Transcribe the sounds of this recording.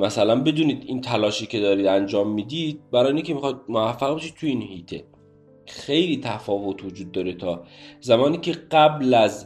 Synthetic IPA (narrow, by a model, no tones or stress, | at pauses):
mæsælænbe̞d̪uːniːd̪int̪ʰælɒːʃiːcʰe̞d̪ɒːɾid̪ænd͡ʒɒːmːiːd̪id̪̚bæɾɒːjinkʲʰemixɒjd̪̚moæfːæɣbeʃiːd̪̚t̪ʰujiːnhiːt̪ʰe | xe̞jliːt̪ʰæfɒːvot̪ʰvod͡ʒuːd̪̚ːɒːɾet̪ʰɒːzæmɒːniːcʰeɢæblæz